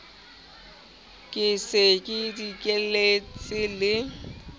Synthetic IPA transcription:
kʼɪsɪkʼɪdikʼelet͡sʼɪlɪ

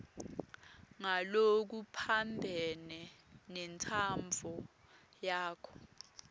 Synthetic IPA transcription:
ŋalok̬upʰambʱɛnɛnɛntʰamb̪vʱɔjaːkʰɔ̥

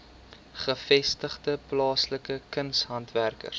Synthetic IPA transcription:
χəfɛstəχdəplɑːsləkəkənsɦɐntværkə̰r

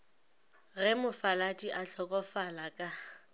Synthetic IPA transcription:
ɣɛmʊfalatʼiʔaɬʰɔkʼɔfalakʼa

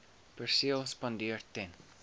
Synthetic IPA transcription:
pərsiəlˠspɑndiərtɛn

